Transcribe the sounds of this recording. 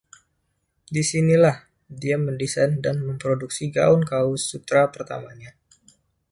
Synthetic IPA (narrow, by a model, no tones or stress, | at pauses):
disinilah | diaməndisandanməmpɾoduksiɡa̰ʊnkaʊsːut̪ɾapərt̪a̰maɲa